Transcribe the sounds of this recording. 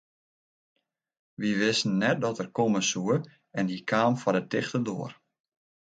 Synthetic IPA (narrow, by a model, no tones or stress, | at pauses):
ʋiʋɪsn̩ːɛt̚dɔtərkoməsuə | ɛnhikʰaːmfɔdətɪxtədoːər